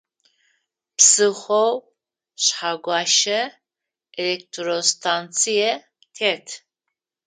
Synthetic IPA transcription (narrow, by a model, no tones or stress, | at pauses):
psɨχʷow | ɕħaɡʷɑːʃɐ | elek̚tʰrostʰant͡sʰijɛ | tʰeːtʰ